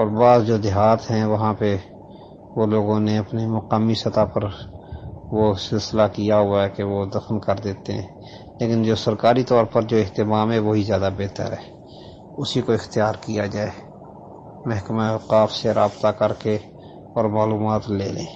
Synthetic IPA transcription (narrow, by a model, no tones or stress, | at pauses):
ɔːɾbaːzd͡ʒoːd̪ɪɦaːt̪ɦɛ̃ʋɐɦãpe | ʋoloːɡõneɐpnimʊqaːmisɐt̪apəɾ | ʋosɪlsɪlakijaɦʊaɛkeʋod̪ɐfnkɐɾd̪eːt̪eɦɛ̰̃ː | leːkɪnd͡ʒoːsɐɾkaːɾit̪ɔːɾpɐɾd͡ʒoːɪɦt̪ɪmaːmɦɛʋoːɦizjaːd̪abeːt̪ə̰ɾɦɛː | ʊsikoɪxt̪ijaːɾkijad͡ʒaːe | mɛɦkmaeqaːfseɾaːbt̪akəɾke | ɔːɾmaːluːmaːt̪lḛːleː